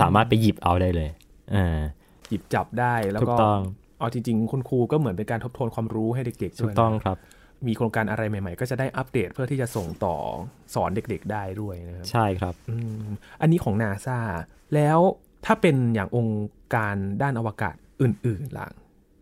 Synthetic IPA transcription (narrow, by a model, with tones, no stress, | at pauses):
sa̰ː˩˦maː˥˩t̪̚pa˧jji˨˩p̚ʔa˧wdaː˥˩jlɤː˧j | ʔaː˧˩ | ji˨˩p̚t͡ɕa˨˩p̚daː˥˩jlɛː˦˥uː˦˥kɔː˥t̪ɔ˥˩ŋ | ʔa˧˩t͡ɕi˧ŋt͡ɕi˧ŋkʰo˧nkʰuː˧kɔː˥˩mɯ˩˦ənpe˧nkaː˧nt̪ʰo˥p̚t̪ʰoː˧nkʰwaː˧mɾuː˦˥ɦa˥˩jde˨˩k̚de˨˩k̚d̪ʰuː˦˥˩jnt̪ɔ˥˩ŋkʰɾa˦˥p̚ | miː˧kʰɾo˧ŋkaː˧nʔa˧ɾa˧jma˨˩jma˨˩jkɔː˥˩t͡ɕa˨˩daː˥˩jʔa˦˥p̚deː˨˩t̪̚pʰɯ˥˩t̪ʰiː˥˩t͡ɕa˨˩so˨˩ŋt̪ɔ̰ː˨˩ | sɔː˩˦nde˨˩k̚de˨˩k̚daː˥˩jdu˥˩əjna˦˥kʰt͡ɕʰa˥˩jkʰɾa˦˥p̚ʔɯː˧ʔa˧nːiː˦˥kʰɔː˩˦ŋnaː˧saː˥˩ | lɛː˦˥w | t̪ʰaː˥˩pe˧njaː˨˩ŋʔo˧ŋkaː˧ndaː˥˩nʔa˧waː˧ka̰ː˨˩t̪̚ʔɯː˨˩nʔɯː˨˩nla̰˨˩˦ŋ